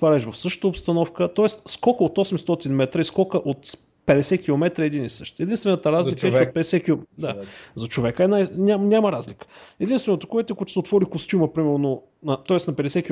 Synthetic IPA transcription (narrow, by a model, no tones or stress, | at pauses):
t̪vaɾɛʃvɐfsɤʃt̪ə̥t̪əopst̪ɐnɔfkət̪ɔɛst̪skɔkəot̪ɔsɛmst̪ɔt̪inmɛt̪ɾəiskɔkəʔot̪ | pɛd̪ɛsɛkʲilˠomɛt̪ɾəɛd̪inisɤʃt̪ɛd̪inst̪vɛnət̪əɾazlʲikəɛɛɛot̪̚pɛd̪ɛsɛkʲilod̪azɐt͡ʃovɛkəɛnajnʲamnʲaməɾazlikə̥ɛd̪inst̪vɛnət̪əkɔɛt̪ɛkɔɛt̪ʊ̥sɛot̪vɔɾikost̪ʲuməpɾimɛɾno | nɐt̪ɔɛsnɐpɛd̪ɛsɛkʲi